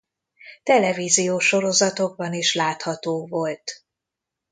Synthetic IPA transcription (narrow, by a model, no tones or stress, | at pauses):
t̪ɛlɛvizijoːʃo̞ɾo̞zɒt̪o̞ɡ̚bɒniʃlaːt̪hɒt̪oːvo̞lt̪